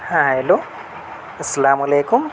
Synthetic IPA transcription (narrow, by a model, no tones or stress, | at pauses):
hãɦeloː | ɐsɐlaːmɐleːkum